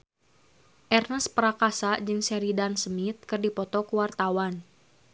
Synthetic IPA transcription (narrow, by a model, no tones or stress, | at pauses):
ʔɛrnəspəɾakasad͡ʒɨŋsɛɾidansəmit̪̚kɨrdipɔt̪ɔkuwart̪awan